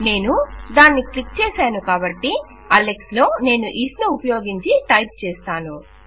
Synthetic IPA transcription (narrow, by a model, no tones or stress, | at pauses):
ne̞ːnud̪aːnːiklik̚t͡ʃeːsaːnukaːbɐʈːi | ɐlekslo̞ːne̞ːnuʔiːsnuupɐjo̞ːɡiɲt͡ʃiʈɐjp̚t͡ʃeːst̪aːnu